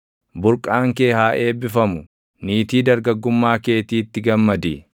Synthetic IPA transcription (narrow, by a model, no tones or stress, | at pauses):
bʊɾkʼaːŋke̞ːhaːʔe̞ːbɪfɐmʊ | niːt̪iːd̪ɐɾɡɐɡːʊmːaːke̞ːt̪iːt̪ːɪɡɐmːɐd̪i